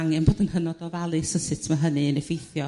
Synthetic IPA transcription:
aŋɛnboːdənhənɔdɔvalˠɨsəsɪtʰmaɦənɨənɛvejθjɔ

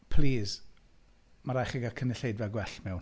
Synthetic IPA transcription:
pʰliːz | maɾaχɛɡakʰənɪɬejdvɛɡwɛɬmɛw

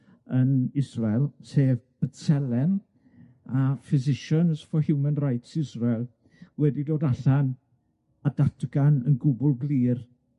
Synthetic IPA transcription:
ənɪsrɛlˠseːvb̥ətɛlɛn | afɪzɪʃənəsfɔhɪwmɛnrajtʰɪzrɛlˠ | wɛdidoːdaɬan | adatɡanənɡʊbʊlˠɡliːr

